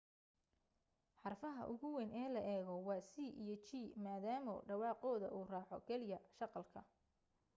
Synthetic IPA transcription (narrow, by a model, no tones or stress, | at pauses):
ħɑrfɐɦɐ̰ʔʊɣʊwɛːnɛːlɐʔɛːɣɔwɑːsiːʔḭjɞt͡ʃiːmaːðaːmɔ̰ɖɑwɑːqɔːðɐ̰ʔuːraːħɔ̰kʰɛlɪjɐʃɑqɑlkʰɐ